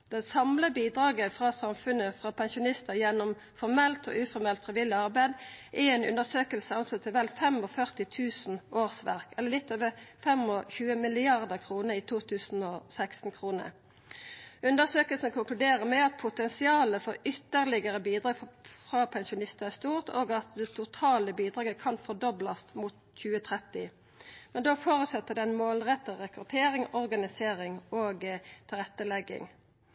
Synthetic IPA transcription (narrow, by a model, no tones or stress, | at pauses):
d̪̥ɛsɑmləbiːd̪ɾɑːɡəfʁɑsɑmfʉnəfʁɑpʰɛnsʊnɪst̪əʁjɛnːɔm | fɔʁmɛlt̪ʰɔ̰ːʔʉfɔɾmɛlt̪fʁɪʋɪlɪɑʁbæɪd̪ʔɛenʉ̰nd̪əsøːkəlsəɑnslət̪ʰːɪʋɛlfɛmɔfœʁt̪ɪt̪ʰʉːsn̩ʔoːʁsʋæ̰ʁkɛlːəʁlɪt̪ːoːʋəfɛmɔçʉːəmɪlɪɑʁd̪əʁkʰʁuːnəɾiːt̪ʰuːt̪ʰʉːsn̩ɔsækst̪n̩kʰʁuːnə̰ | ʉnd̪əʁsøːkəlsnəkʰʊŋklʉd̪eːʁəmɛɑt̪̚pʰʊt̪ɛnsɪɑːləfɔʁʏt̪ːəʁlɪɡəʁəbiːd̪ʁɑːɡfʁɑpʰɛnsʊnɪst̪əæʁst̪uːʁt̪ʰoːɡɑt̪̚d̪ɛt̪ʰʊt̪ʰɑːləbiːd̪ʁɑːɡəkʰɑnfɔʁd̪ɔblɑst̪mut̪ | çʉːət̪ʰʁɛt̪ɪ | mɛnd̪oːfoːʁʉt̪sɛt̪ːəd̪ɛɛnmoːlʁɛt̪ːəʁɛkʁʉt̪ʰeːʁɪŋɔʁɡɑnɪseːʁɪŋoːɡt̪ʰɪlʁɛt̪ːəlɛɡːɪ̰ŋ